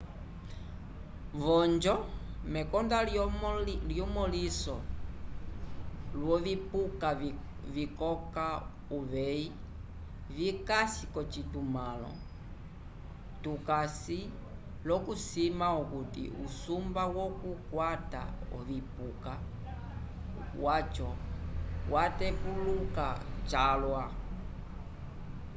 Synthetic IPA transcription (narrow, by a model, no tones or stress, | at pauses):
vɔnd͡ʒɔmɛkɔndal | ljɔmɔlisɔ | lwɔβipuka | vikɔka | uβɛi | vikasikɔt͡ʃitumalɔ̰ | tukasi | lɔkusimaukutḭʔusumbawɔkukwata̰ɔ̰βipuka | wat͡ʃɔ | watɛpuluka̰t͡ʃalwa